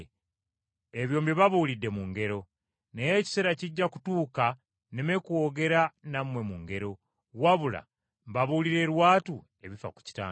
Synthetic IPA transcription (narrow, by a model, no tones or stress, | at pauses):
eβjo̞ːmbiβaβulidːe̞muŋɡe̞ɾo̞ | ne̞jeci̥se̞ːɾaciɟːaku̥tuːka | neme̞kuwo̞ːɡe̞ɾanamwe̞muŋɡe̞ɾo̞ | waβula̰ | mbaβuliɾe̞ːɾwaːtu | e̞βifa̰ku̥ci̥ta̰ː